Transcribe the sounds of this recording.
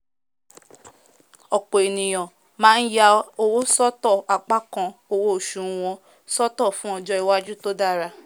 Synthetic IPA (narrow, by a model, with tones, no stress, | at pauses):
ɔ˨k͡po˨e˨nĩ˨j̃ɔ̃˨ | mãː˦n̩˦ja˦o˧wo˦sɔ˦tɔ˦˨a˨k͡pa˦kɔ̃˧o˧wo˦o˨ʃũ˨˦w̃ɔ̃˧ | sɔ˦tɔ˦˨fũ˦ɔ˧d͡ʒɔ˦i˨wa˦d͡ʒu˦to˦da˦ɾa˧˨